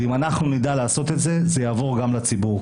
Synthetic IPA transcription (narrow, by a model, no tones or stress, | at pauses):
imanaχnunid̪alaːso̞t̪et̪zezejaːvo̞ʁɡamlat͡sibuʁ